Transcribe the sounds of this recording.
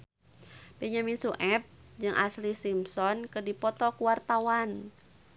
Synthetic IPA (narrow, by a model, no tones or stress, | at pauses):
beɲaminsuʔɛp̚d͡ʒɨŋʔa̰slisimsɔnkɨdipɔt̪ɔkuwart̪awan